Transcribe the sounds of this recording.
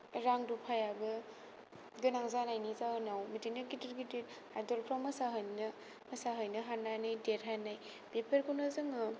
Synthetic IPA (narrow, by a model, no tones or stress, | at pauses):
ɾaŋdupʰajabɯ | ɡɯnaŋzanajnizahɯnawmitinɯɡidiɾɡideɾ | ajdɔlpʰɾamɐsaɦɯjnɐ | mɐsaɦɯjnɯɦananɯjdeɾɦanaj | b̥epʰeɾkunɯzɯŋɯ